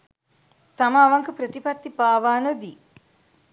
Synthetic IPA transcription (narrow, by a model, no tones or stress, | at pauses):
t̪amɐːʋaŋkəpɾət̪ipɐt̪ːipaːʋaːnəd̪i